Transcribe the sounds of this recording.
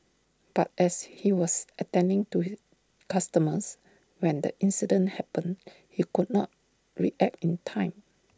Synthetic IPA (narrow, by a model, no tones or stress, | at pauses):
b̥at̚ʔɛshiwɔsətɛ̃ndɪ̃ŋtu | kastəməs | wɛ̃ndə̰ʔĩnsidə̃nhɛpə̃n | hikud̚nɔt̚ | ɹiʔɛk̚tĩntʰãɪ̃m